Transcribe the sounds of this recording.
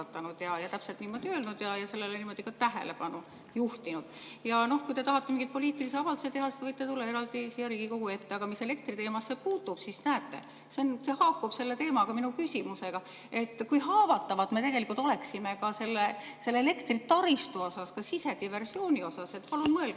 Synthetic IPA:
t̪ːˑɑnud̪̥jɑjɑt̪æpselt̪niːmo̞d̪̥iø̞ːlnud̪̥jɑjɑse̞lːeleniːmo̞d̪̥ikɑt̪æɦḛle̞pɑnu | juht̪inud̪̥ | jɑno̞hkujt̪e̞t̪ɑɦɑt̪ːemiŋɡit̪̚po̞liːt̪ˑilis̬eɑvɑld̪uset̪eɦɑsi̥t̪ɤjt̪ˑːet̪ulːɑe̞ɾɑld̪isijːɑɾiːɡ̥iko̞ɡ̥ue̞t̪ːeɑɡ̥ɑmise̞le̞k̚t̪rit̪e̞ːmɑsːepuːt̪ːˑub̥sisnæːt̪ːˑe̞̰ | seonsehɑːkːˑub̥se̞lːe̞t̪e̞ːmɑkɑminukysimuse̞ɡ̥ɑ | e̞t̪ːkujɦɑːvɑt̪ːˑɑvɑt̪me̞t̪e̞ɡ̥e̞likːˑult̪o̞le̞ksimekɑse̞lːese̞lːeele̞kt̪rit̪ːɑɾist̪uosɑskɑsise̞d̪ive̞rsio̞ːnʲio̞sɑse̞t̪ːˑpɑlunmɤelɡ

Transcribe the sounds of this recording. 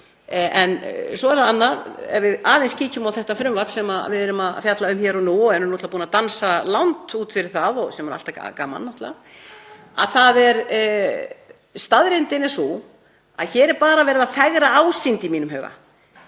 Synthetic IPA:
ɛnsɔɛɾ̥θaanːaðɛ̰vvɪðaːvɪnscʰiːcʏmawθɛht̪afɾʏmvapsɛmavɪðɛɾʏmaðfjat̪laʏmçɛɾɔnuɔɛɾʏmnɔt̪lapuːnat̪ansalawnt̪uːt̪fɪɾɪɾ̥θaðɔɣsɛmɛɾa̰lt̪aa̰ka̰ːmːa̰lːaht̪l | a̰ðθaðɛɾ | st̪aðɾɪnt̪ɪnɛsu | a̰ðçɛːɾɛɾpaːɾavɛɾðafɛɣɾaaːwsɪnt̪imiːnʏmɦœːɣa̰

